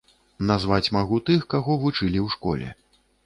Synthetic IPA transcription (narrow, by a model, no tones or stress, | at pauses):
nazvat͡sʲmaɣut̪ɨxkaɣɔvut͡ʂɨlʲiwʂkɔ̰lʲɛ̰